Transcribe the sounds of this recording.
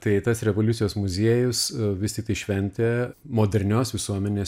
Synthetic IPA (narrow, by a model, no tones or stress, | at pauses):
t̪ɐɪt̪ɐsɾʲɛʋoːlʲʊt̪sʲɪjoːsmʊzʲiɛjʊsʋʲɪstʲɪkt̪ɐɪʃʲʋʲɛnʲt̪ʲemoːd̪ʲɛɾʲnʲoːsʋʲɪsuɔmʲɛnʲeːs